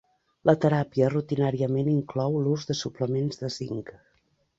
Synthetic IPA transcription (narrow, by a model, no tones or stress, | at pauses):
lət̪əɾapiərut̪inaɾiəmeniŋklɔwluzðəsupləmenzðəsḭŋk